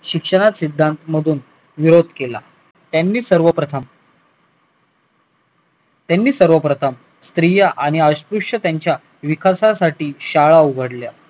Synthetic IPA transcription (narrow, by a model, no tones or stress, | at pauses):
ɕikʂəɽ̃at̪sid̪ʱːant̪məd̪ʱuːn | ʋiɾod̪ʱkela̰ | t̪janːiːsəɾʋəpɾət̪ʰəm | t̪janːiːsəɾʋəpɾət̪ʰəm | st̪ɾijəʔaɽ̃iəɕpɾuʂət̪jaɲt͡ɕja | ʋikʰasasaʈiːɕaɭauɡʱəɽlja